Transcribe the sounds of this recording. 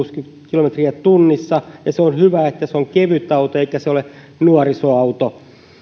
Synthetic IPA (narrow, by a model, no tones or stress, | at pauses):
s | kilomet̪riæt̪unːisːɑjɑseonhyʋæet̪ːæseoŋkeʋyt̪ːˑɑut̪oeikæseole | nuɑrisoɑut̪o